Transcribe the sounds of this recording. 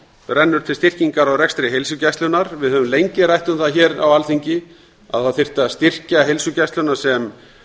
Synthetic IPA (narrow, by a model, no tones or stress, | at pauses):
ɾɛnːʏɾ̥t̪ʰɪlst̪ɪr̥ciŋkaɾawrɛkst̪ɾɪɦejlsʏcajst̪lʏnaɾvɪðhœvʏmlejɲcɪɾajht̪ʏmθaðçɛːɾa̰walθiɲcɪ | a̰ðθaðθɪr̥t̪ast̪ɪr̥caɦejlsʏcast̪lʏnaɾ̥sɛm